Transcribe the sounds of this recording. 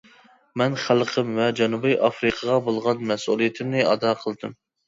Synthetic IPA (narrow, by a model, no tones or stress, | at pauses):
mɛnχælˠqʰəmvɛd͡ʒɑnubɨjʔɑfɾɨqʰəʁɑbolˠʁɑnmɛsulˠijit̪ʰɪmnɪɑ̰d̪ɑqʰəlˠɨd̪ɨm